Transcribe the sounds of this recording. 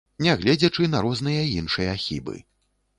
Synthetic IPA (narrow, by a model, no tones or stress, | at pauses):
nʲɛɣlʲɛd͡zʲɛt͡ʂɨnɐɾɔznɨjɐinʂɨjɐaxʲḭbɨ̰